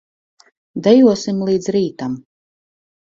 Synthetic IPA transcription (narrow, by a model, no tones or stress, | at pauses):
d̪ɛjuɔsimlˠiːd̪zɾiːt̪am